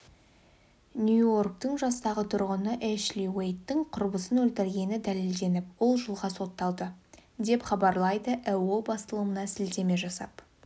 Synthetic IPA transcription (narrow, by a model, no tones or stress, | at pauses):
nʲjujo̞rk̚t̪əɴʒɑst̪ɑʁət̪ʰʊɾʁənəʔeʃlʲiwejt̪ːɪŋqʰʊɾbəsənɵlt̪ɪɾɡʲe̞nɪd̪æle̞ld̪e̞nɪp̚wo̞lˠʒəlˠʁɑso̞t̪ːɑlˠd̪əd̪e̞pχɑbɑɾlˠɑjd̪əʔæwobɑst̪əlˠəmənɑsɪld̪e̞me̞ʒɑsɑ̰p